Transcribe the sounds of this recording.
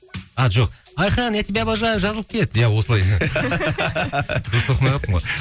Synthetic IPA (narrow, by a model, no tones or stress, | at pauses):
ɑʒo̞q̚ | ɑjχɑnæt̪ibæbɑʒɑjvʒɑzəlˠəpkʲʰe̞led̪jæwo̞səlˠɑj | d̪ʊst̪ʰoqəmɑjʁɑp̪əɴʁoj